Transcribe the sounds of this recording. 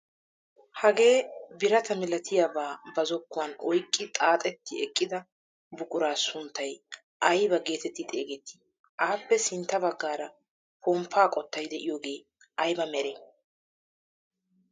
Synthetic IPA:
hɐɡe̞ːbɪɾɐt̪ʰɐmɪlɐt̪ʰɪjabaːbɐzɔkːʊwɐnɔjkʼːɪt̪ʼaːt̪ʼɛt̪ːɪɛkʼːɪd̪ɐ | bʊkʼʊɾaːsʊnt̪ːɐj | ʔɐjbɐɡe̞ːt̪ɛt̪ːɪt̪ʼe̞ːɡɛt̪ːɪ̥ | ʔaːpːɛsɪnt̪ːɐbɐɡːaːɾɐ | pɔmpʰːaːkʼɔt̪ːɐjd̪ɛʔɪjoːɡeː | ɐjbɐmɛɾe

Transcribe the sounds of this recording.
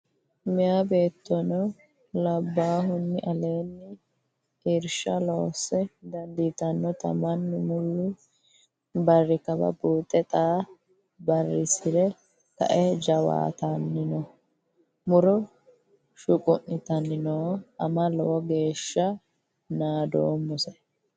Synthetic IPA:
mɪjabe̞ːt̪ːɔnɔ | lɐbːaːɦʊnːɪʔɐle̞ːnːɪ | iːɾʃɐlo̞ːsɛd̪ɐnd̪it̪ɐnːɔt̪ɐ̰mɐnːɪmʊlːʊ | bɐrːɪkɐbɐ̰buːt̪ʼːɛt̪ʼaː | bɐrːɪsɪɾɛ | k̪ɐ̰ʔɛd͡ʒɐwa̰ːt̪ɐnːɪnɔ | mʊɾɔ | ʃʊkʼʊʔːɪt̪ɐnːɪnoʔɐmɐlɔɔɡe̞ːʃːɐ | naːd̪o̰ːmːʊsɛ

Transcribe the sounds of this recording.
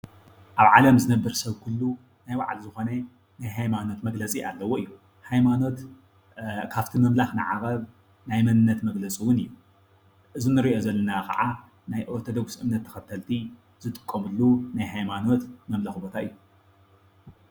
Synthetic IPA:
ʔaβʕalɐmzɨnɐbːɐɾsɐβkʰulːu | najwa̰ʕlzɨxo̞nɐ | najɦajmano̞t̪mɐɡlɐt͡sʼiʔa̰lːɐwoɨjːu | hajmano̞t̪ | kʰaft̪ʰimɐmlaxnɨ̰ʕa̰ɣʼɐβ | najmɐnɨnːɐt̪mɐɡlɐt͡sʼiwʊnɨjːu | ʔɨzinːɨɾiʔo̞zɐlːɐnakɐ̰ʕa | najʔot̪ʰod̪ɐɡu̥sʔɨmnɐt̪ʰːɐ̥xɐt̪ʰːɐlt̪ʰi | z̥ɨt̪ʼɨ̥kʼːɐmɨlːunajɦajmano̞t̪mɐmlaxbo̞t̪ʰaɨjːu

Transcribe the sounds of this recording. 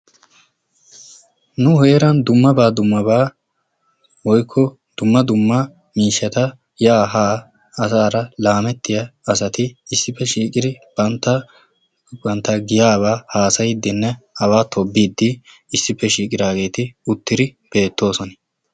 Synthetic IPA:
nʊheːɾɐnd̪ʊmːɐbaːd̪ʊmːɐbaː | wɔjkʰːɔ | d̪̥ʊmːɐd̪ʊmːɐ | miːʃːɐt̪ɐ | jaːɦaː | ɐsaːɾɐlaːmɛt̪ːɪjɐɐs̬ɐt̪ɪːsːɪpːɛʃiːkʼɪd̪ɪb̥ɐnt̪ːɐ | bɐnt̪ːɐɡɪjaːβaːhaːsɐjɪd̪ːɪnːɛɐβaːt̪ʰɔbːiːd̪ːɪ | ɪsːɪpːɛʃiːkʼɪd̪aːɡe̞ːt̪ɪʊt̪ːɪd̪ɪb̥e̞ːt̪ːo̞ːsɔnɪ

